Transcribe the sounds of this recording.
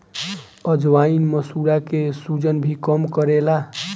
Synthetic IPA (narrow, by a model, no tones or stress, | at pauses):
əd͡ʒʋainməsuɾakesud͡ʒənbʱikəmkəɾela